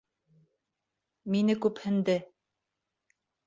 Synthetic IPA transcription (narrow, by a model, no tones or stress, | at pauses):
minɘkʉphɘ̆nd̪ɘ